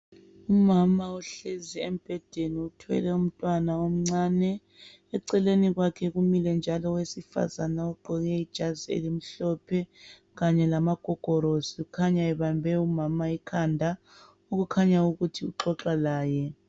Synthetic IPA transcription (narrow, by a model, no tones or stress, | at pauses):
umamauɬeziɛm̩b̥ʱɛd̥ʱeniutʰwɛ̰lɛum̩tʼwanaom̩ŋ͡ǀaːnɛː | ǀɛleniɣwakʰɛɣumilɛnd͡ʒʱalɔwesifa̰zanaɔɡ͡ǃʱɔɣɛid̥ʒ̥ʱaziḛlim̩ɬɔpʰɛ | ɣaɲɛlamaɡ̥ʱɔɡ̥ʱɔɾoziukʰaɲaɛβambʱɛumamaikʰandʱa | oɣukʰaɲauɣutʰiuǁɔǁalaːjɛ